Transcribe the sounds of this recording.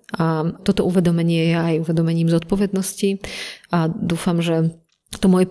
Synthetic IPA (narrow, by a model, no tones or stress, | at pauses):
ʔat̪ɔt̪ɔʔuʋɛd̪ɔmɛɲɪɛjɛajuʋɛd̪ɔmɛɲiːmzɔt̪̚pɔvjɛd̪nɔsciʔad̪uːfamʒɛ | t̪ɔmɔjɛ